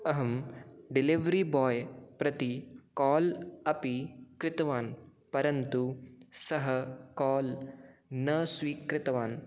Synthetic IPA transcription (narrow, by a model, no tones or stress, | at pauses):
ɐɦɐmɖiliʋɾibɔːjpɾɐt̪ikɔːlɐpikɾɪt̪ɐʋaːnpɐɾɐnt̪usɐɦɐkɔːl | nɐsʋiːkɾɪt̪ɐʋaːn